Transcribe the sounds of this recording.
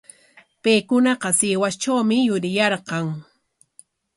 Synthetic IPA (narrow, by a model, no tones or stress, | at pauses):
pejkʊnɑqɑsɪwast͡ʃawmɪjʊɾɪjɑɾqɑŋ